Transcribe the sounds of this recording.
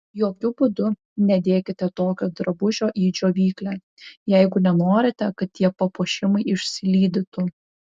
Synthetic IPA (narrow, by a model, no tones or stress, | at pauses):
joːkʲʊbʊd̪ʊ | nʲɛd̪ʲeːkʲɪt̪ʲɛt̪oːkʲoːd̪ɾɐbʊʒʲoːʔiːd͡ʒʲoːʋʲiːklʲæː | jɛɪɡʊnʲɛnoːɾʲɪt̪ʲɛkɐt̪̚t̪ʲiɛpɐpuɔʃʲɪmɐɪɪʃʲsʲɪlʲiːd̪ʲɪt̪ʊ